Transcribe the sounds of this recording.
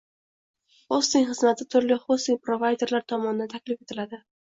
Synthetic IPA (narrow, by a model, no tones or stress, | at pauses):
χost̪ɪŋχɨzmat̪ʰɪt̪ʰʊɾlɪχost̪ɪŋʲpɾovajd̪e̞ɾlaɾt̪ʰɒmɒnɪd̪ant̪ʰakʲlɪfe̞t̪ʰɪlad̪ɪ